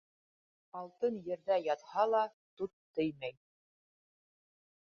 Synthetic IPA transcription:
ɑlˠt̪ɤnjɘ̆ɾðæjɑt̪hɑlˠɑ | t̪ut̪ːɘ̆jmæj

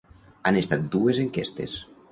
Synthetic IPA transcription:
anest̪at̪̚d̪uezeŋkest̪es

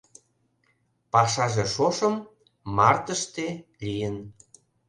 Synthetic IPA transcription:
pɑʃɑʒeʃoʃəmː | ɑrt̪əʃt̪elijən

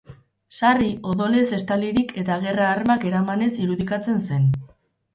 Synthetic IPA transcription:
sariʔo̞ðo̞lese̞st̪aliɾikʰe̞t̪aɣe̞raːɾmake̞ɾamane̞siɾuðikat͡se̞nse̞n

